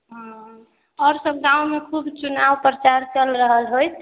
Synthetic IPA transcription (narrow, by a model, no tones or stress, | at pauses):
ɦã | ɔɾsəbɡãwmekʰubt͡ʃunaʋpɾət͡ʃaɾt͡ʃəlɾəɦəlɦoj̪ʰ